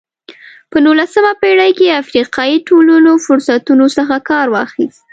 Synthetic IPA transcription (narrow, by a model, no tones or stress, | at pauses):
pənulasəmapeɽajkeafɾiqɑjiʈolunofʊɾsat̪unosəxakɑɾwɑxist̪̚